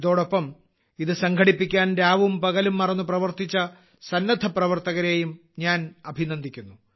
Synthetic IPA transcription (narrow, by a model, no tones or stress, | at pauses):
iðo̞ːɽo̞pːɐm | iðɨsɐŋɡʰʱɐɽipːikʲːaːnɾaːʋumpɐɣɐlumːɐrɐnːuprɐʋɐrt̪it͡ɕːɐ | sɐnːɐd̪ʰʱɐprɐʋɐrt̪ɐɣɐɾe̞ːjum | ɲaːnɐbʱinɐnd̪ʱikʲːunːu